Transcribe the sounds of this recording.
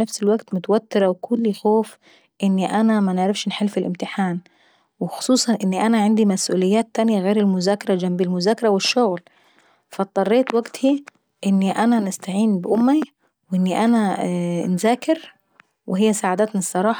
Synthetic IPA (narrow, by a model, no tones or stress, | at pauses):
nafsɪlwaɡt̪mʊt̪awat̪ːɪɾawkʰʊlːixoːf | ʔɪnːiʔanamanɪʕɾˤɪfʃnħɪlfɪlʔɪmt̪ɪħaːn | wɪxʊ̥sˤuːsˤɑnʔɪnːiʔanaʕand̪imasʔṵːlɪjːaːt̪ːanjaɣeːɾɪlmʊzaːkɑɾˤɑd͡ʒambilmʊzaːkɑɾˤɑwɪʃːʊɣl | fat̪ˤːɑrˤːeːt̪waɡt̪hi | ʔɪnːiʔananɪst̪aʕiːnbʔʊmːi | wʔɪnːiʔananzaːkɪɾ | wɪɦɪjːasaːʕad̪aːt̪nɑsˤːɑɾˤɑːħ